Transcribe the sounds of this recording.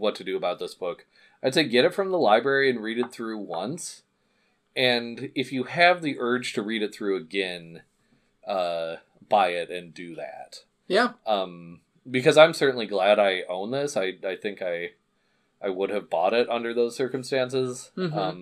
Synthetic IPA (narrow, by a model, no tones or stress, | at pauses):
wʌtʰɨdɨːbaʊt̪̚ðɪsb̥ʊk | aɪdseɪɡɛɾɨtfɹʌ̃mðəlaɪbɹɛɹiɨ̃nɹiɾɨt̪̚θɹʉwʌ̃ns | ɨ̃nɨfjɨɨvðiʔɜ̥˞d͡ʒ̥tʰɨɹiɾɨt̪̚θɹʉɨɡɛ̃n | ʌ | b̥aɪɪɾɨ̃ndɨðæ̰t̚ | jæʔʌ̃m | bɨkʰʌzãɪ̃msɜ˞ʔn̩liɡlæɾaɪʔõʊ̃nðɪsaɪaɪθɪ̃ŋkaɪ | ʔaɪwʊɾɨvbɔ̰ɾɪɾʌ̃ndə˞ðoʊz̥sɜ˞km̩stæ̃nsɪzʌ̃m